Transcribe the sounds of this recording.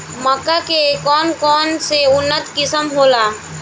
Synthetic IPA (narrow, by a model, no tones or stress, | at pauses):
məkakekɔːnkɔːnseʊnːət̪kɪsəmɦoːlaː